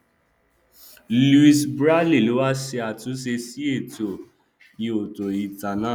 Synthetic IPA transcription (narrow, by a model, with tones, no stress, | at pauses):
lu˧i˧sbɾa˦li˦˨lo˨˦wa˦se˧a˧˨tũ˨˦se˧si˦e˦˨to˨ | i˧o˨to˨i˨ta˨nã˦